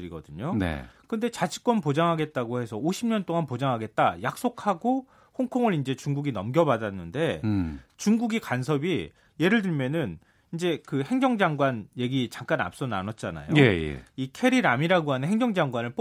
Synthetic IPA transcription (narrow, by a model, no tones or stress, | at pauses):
ɾiɡʌdɯɲonḛkɯnde̞t͡ɕat͡ɕʰi̥k͈wʌnpod͡ʑaŋɦaɡe̞t̚t͈aɡohe̞sʰʌoɕʰimɲʌnt͈oŋanpod͡ʑaŋɦaɡe̞t̚t͈a̰jak̚s͈okʰaɡo | hoŋkʰoŋɯɾind͡ʑe̞t͡ɕuŋɡuɡinʌmɡjʌbadanːɯnde̞t͡ɕuŋɡuɡikans̬ʰʌbi | je̞ɾɯɭt̬ɯɭmjʌnɯn | ind͡ʑe̞kɯhe̞ŋd͡ʑʌŋd͡ʑaŋɡwanje̞ɡit͡ɕaŋk͈ana̰p̚s͈ʌna̰nʌt̚t͡ɕ͈ana̰jojejḛikʰe̞ɾiɾamiɾaɡoɦanɯnɦe̞ŋɡd͡ʑʌŋd͡ʑaŋɡwanɯɭp͈